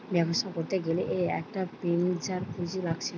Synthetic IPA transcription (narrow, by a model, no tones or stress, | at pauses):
bɛkʰoʃakoɾt̪eɡeleʔeɛ̰k̚ʈapend͡ʑaɾkʰud͡ʑilaɡt͡ɕʰe